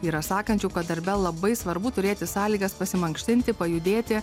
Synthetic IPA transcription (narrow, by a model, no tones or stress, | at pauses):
iːɾɐsɑːkɐnʲt͡ʃʲukɐt̪̚d̪ɐɾʲbʲɛlˠlːˠɐbɐɪsʋɐɾbʊt̪ʊɾʲeːt̪ʲɪsɑːlʲiːɡɐspɐsʲɪmɐŋkʃʲt̪ʲɪnʲt̪ʲɪpɐjʊd̪ʲeːt̪ʲɪ